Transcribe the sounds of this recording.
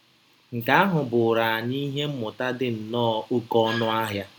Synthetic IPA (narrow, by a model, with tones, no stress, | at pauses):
ŋ̩˨ka˨a˦ɦʊ˨bʊ˨ɾa˨ɲi˦ɦe˦m̩˦mʊ˨ta˦dɪ˨n̩˨nɔː˦˨o˦kɔ˦nʊ˦a˦ɦja˦